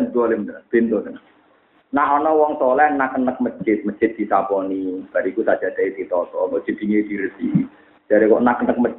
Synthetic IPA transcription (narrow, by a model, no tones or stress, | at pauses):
nd̪uɔleməb̥ent̪ot̪ən | naɦɔnɔwɔŋsɔlɛhnakːənək̚mə̥d͡ʒɪt̪̚məd̥d͡ʒ̥ɪt̪̚d̥̪i̤sapɔnib̥a̤ɾikusad̥d͡ʒ̥a̤d̪̥aid̪̥it̪ɔt̪ɔkɔʔd̥ʒ̥ə̤d̪̥i̤ŋed̪̥iɾəd̪̥i | d͡ʒ̥aɾekɔʔnakːənək̚məd͡ʒ